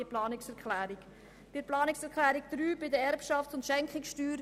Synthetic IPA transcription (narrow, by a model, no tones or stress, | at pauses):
əplɑːnɪksɛɾkʰlæːɾik | b̥ɪɾplɑːnɪksɛɾklæːɾikd̪̥ɾyːbɪdəɛɾpʃɑft͡sʊntʃɛŋkχɪksʃtyːɾ